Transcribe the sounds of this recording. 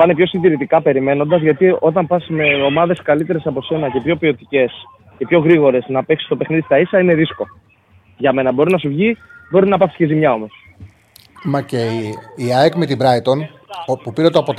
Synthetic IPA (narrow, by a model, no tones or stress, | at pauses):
pɐnepço̞sind̪iɾit̪ikɐpe̞ɾime̞no̞nd̪ɐzʝɐt̪io̞t̪ɐmpɐsme̞o̞mɐðe̞skɐlit̪e̞ɾe̞sɐpo̞se̞nɐcepço̞pio̞t̪ice̞s | ipço̞ɣɾiɣo̞ɾe̞snɐpeksi̥st̪o̞pe̞xniðist̪ɐisɐine̞ðisko̞ | ʝɐme̞nɐbo̞ɾinɐsuvʝibo̞ɾinɐpɐsi̥scezimɲɐo̞mo̞s | mɐceiɐekmet̪ibɾɐjt̪on | pupiɾet̪oɐpot̪